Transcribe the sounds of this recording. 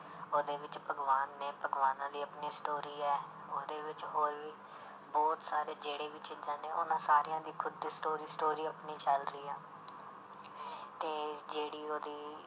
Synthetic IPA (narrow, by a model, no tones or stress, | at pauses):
oːd̪eːʋɪt͡ʃpəɡʋaːnːeːpəɡʋaːnãːd̪iːəpniːsʈoːɾiːɛː | oːd̪eːʋɪt͡ʃɦoːɾʋiː | bɔːt̪saːɾeːd͡ʒeːɽeːʋɪt͡ʃɪd͡ʒãːneːʔo̰nãːsaːɾijãːd̪iːkʰʊd̪ːiːsʈoːɾiːsʈoːɾiːəpniːt͡ʃəlɾəiːaː | t̪eːd͡ʒeːɽiːoːd̪iː